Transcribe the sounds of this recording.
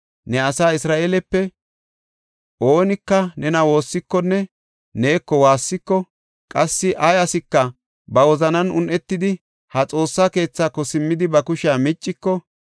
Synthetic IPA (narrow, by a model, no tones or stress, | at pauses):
nɛɐsaːɪsɾaːʔeːlɛpːɛ | ʔo̞ːnɪkːɐnɛnɐwo̞ːsːɪkːɔnːɛ | ne̞ːkːɔwaːsːɪkːɔ | kʼɐsːɪʔɐjɐsɪkːɐ | bɐwɔzɐnɐnʊnʔɛt̪ːɪd̪ɪ | hɐt͡sʼo̞ːsːaːke̞ːt͡sːaːkːɔsɪmːɪd̪ɪbɐkʊʃɪaːmɪt͡ʃʼːɪkːɔ